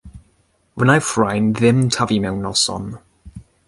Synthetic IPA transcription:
wənajfɹajnðɪmtʰavimɛwnɔsɔ̰n

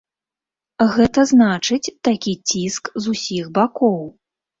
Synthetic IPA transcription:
ɣɛt̪ɐznat͡ʂɨt͡sʲt̪akʲit͡sʲiskzusʲixbakɔw

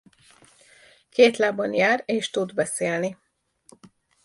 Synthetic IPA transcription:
keːt̪laːbɒnjaːreːʃt̪ud̪bɛseːlni

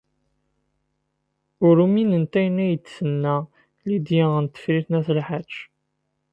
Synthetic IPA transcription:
ʊɾuminənt̪æjnæjət͡s̪ːsənːæ | lid̪jiənt̪ːə̥fɾiθnæθlħat͡ʃː

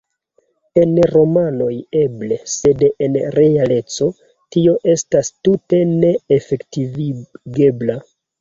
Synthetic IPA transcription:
e̞nɾo̞mano̞je̞ble̞se̞denɾe̞ale̞t͡so̞ | tio̞ʔe̞stastute̞ne̞efe̞ktivɡe̞bla

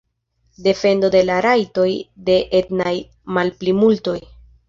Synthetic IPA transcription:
de̞fe̞ndo̞de̞laɾajto̞jde̞ʔetnaj | malplimulto̞j

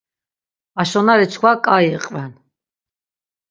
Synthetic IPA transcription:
aʃɔnaɾit͡ʃʰkʰwakʼaiqʼvɛn

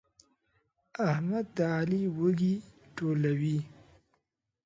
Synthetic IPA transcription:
ahmad̪ːaːliwəɡi | ʈolawi

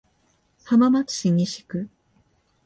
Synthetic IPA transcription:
hamamat͡sɨ̥ɕiɲiɕi̥kɯ̟

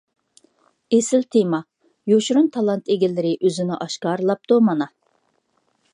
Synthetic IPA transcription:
esɪlt̪ʰemɑ | joʃɾunt̪ʰɑlˠɑnt̪ʰeɡʲilːɪɾɪʔøzɪnɪʔɑʃkɑːɾɨlˠɑp̚t̪umɑnɑ

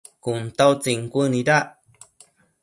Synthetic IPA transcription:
kunt̪awt͡siŋkuəniɾa

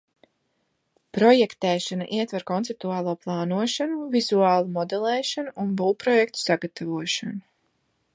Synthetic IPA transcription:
pɾɔjɛkt̪ɛːʃanaʔiɛt̪vaɾkɔnt̪ɛp̚t̪uaːlˠuːplˠɑːnuɔʃanuvizuaːlˠumɔd̪ɛlˠɛːʃanuunbulˠpɾɔjɛkt̪u̥saɡat̪ʰavuɔʃanu

